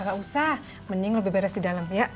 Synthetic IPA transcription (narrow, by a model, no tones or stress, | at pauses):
ɡaʔusah | mənɪŋləbɪbeɾasdidaləmjaʔ